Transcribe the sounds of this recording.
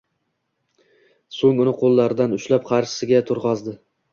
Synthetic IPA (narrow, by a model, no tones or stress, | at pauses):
soŋʊnɪqʰolˠːaɾɪd̪anʊʃlap̚qʰɑɾʃɪ̥sɪɡʲat̪ʰʊɾʁɑzd̪ɪ